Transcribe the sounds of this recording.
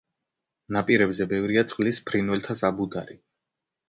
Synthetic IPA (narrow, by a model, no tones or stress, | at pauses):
napʼiɾɛbzɛbɛvɾiat̪sʼqʼlispʰɾinwɛlt̪ʰasabud̪aɾi